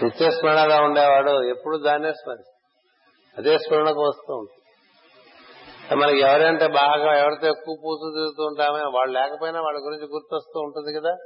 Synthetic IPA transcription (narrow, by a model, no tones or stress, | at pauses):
ʋet͡ʃːeːsmɐɳɐlaːuɳɖeːʋaːɽuepːuɽuːd̪aːnːeːsmɐɾi | ɐd̪eːspɐɾɐɳɐkuʋɐst̪uːuɳʈund̪i | ɐmɐnɐkɛʋɐɾeɐɳʈe̞ːbaːɡaːɛʋɐɾit̪o̞ːekːuːʋɐpuːsuːd͡ʒ̪eɡut̪uːɳʈaːmɐjnɐʋaːɭːulɛːkɐpoːjinaːʋaːɭːɐɡuɾiɲt͡ʃiɡuɾt̪uʋɐst̪uːuɳʈund̪ikɐd̪aː